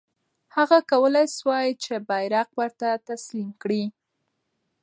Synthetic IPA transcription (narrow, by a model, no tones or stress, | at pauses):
haɣakawəlajswɑjit͡ʃebajɾaqwəɾt̪at̪aslimkɽi